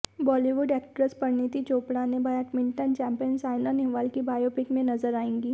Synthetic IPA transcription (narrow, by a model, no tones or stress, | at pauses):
bɔːliʋʊɖɛːk̚ʈɾəspɐɾniːt̪it͡ʃoːpɽanẽbajaʈmɪ̃ɳʈənt͡ʃɛ̃ːmpijənsaːɪlanɪɦʋaːlkibaːjoːpɪkmẽnɐzəɾaːẽːŋɡiː